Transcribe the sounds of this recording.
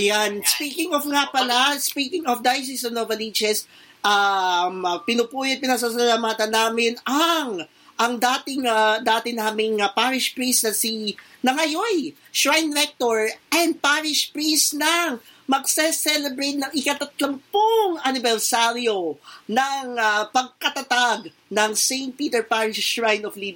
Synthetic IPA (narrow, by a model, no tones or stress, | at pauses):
ʔɐjanspiːkɪŋofŋapɐnɐspiːkɪŋɔfd̪ajs̬isɐnovɐlit͡ʃɛs | ʔampɪnʊpuːjɐt̪̚pɪnɐɡs̬as̬ɐlaːmaːt̪ɐnːaːmɪnɐŋ | ʔɐŋd̪aːt̪ɪŋad̪aːt̪ɪnaːmɪŋɐpaːɾɪʃpɾisnɐsinɐŋɐjoj | ʃɹajnɾɛk̚t̪oɹʔɛnd̪̚paɾɪʃpɾisnɐŋ | mɐɡsɛsɛlɛbɾejt̪̚nɐŋɪkɐt̪ɐt̪lɐmpoŋɐnɪbɛɾsaɾjo̞nɐŋapɐɡ̚kɐt̪ɐt̪aɡ | nɐŋsejnt̪̚piːt̪ɛɹpaɹɪʃʃɹajnɔflib